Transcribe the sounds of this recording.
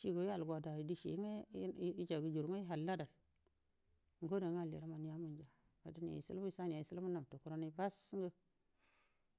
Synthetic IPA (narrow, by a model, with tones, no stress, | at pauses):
ʃi˦ɡo˨i˦a˨lɡʷa˨da˨i˨di˦ʃḭ˨˦ŋe˦i˦d͡ʒa˨ɡu˨d͡ʒu˨ɾŋe˦i˦ɦa˨lːa˦da˨n | ŋ˨ɡo˦de˨˦ŋ˦a˦˨lḭ˨ɾa˦ma˨n˦ja˦mu˦˨nd͡ʒa˨ | a̰˨di˦n˨ja̰˨i˨sḭ˦bu˦i˨sa˦n˨ja˨i˨si˦lbu˦na˨m˨to˨ku˦ɾo˦ni˦ba˦sŋɡə˦